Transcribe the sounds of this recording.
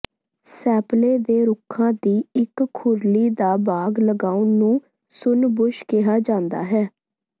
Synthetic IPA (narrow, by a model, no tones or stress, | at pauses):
sɛːpleːd̪eːɾʊkʰãːd̪iːɪkʰːʊɾliːd̪aːbaːɡləɡaːũnũː | sʊnbʊʃkɪɦaːd͡ʒãːnd̪a̰ːɦɛː